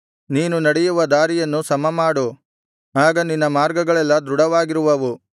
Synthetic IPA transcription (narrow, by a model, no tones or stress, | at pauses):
niːnunɐɽɛjuʋɐd̪aːɾijɐnːusɐmɐmaːɽu | aːɡɐninːɐmaːɾɡɐɡɐɭɛlːɐd̪ɾuɽɐʋaːɡiɾuʋɐʋu